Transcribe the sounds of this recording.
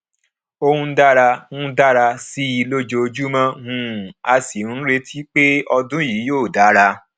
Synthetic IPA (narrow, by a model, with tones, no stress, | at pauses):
o˧hũ˧˦da˦ɾa˧hũ˦da˦ɾa˧si˦i˧lo˦d͡ʒo˧d͡ʒu˦mã˧hũ˧˨a˧si˨ũ˨˦n̩˦ɾe˧tʰi˦k͡pe˦ɔ˧dũ˦ji˨˦joː˦˨da˨˦ɾa˧